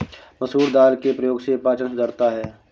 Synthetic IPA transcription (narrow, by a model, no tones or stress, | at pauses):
mɐsɦuːɾd̪aːlkepɾəjoːɡsepaːt͡ʃənsʊd̪ʱəɾt̪aɦɛː